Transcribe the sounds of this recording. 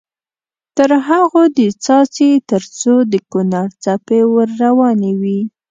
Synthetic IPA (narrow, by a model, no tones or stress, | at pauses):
t̪əɾɦaɣod̪ət͡sɑt͡set̪əɾt͡sod̪əkʊnaɾt͡sapewəɾːawɑnewi